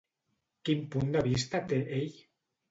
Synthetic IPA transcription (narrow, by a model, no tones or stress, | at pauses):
kimpund̪əβ̞ist̪at̪eʔeʎ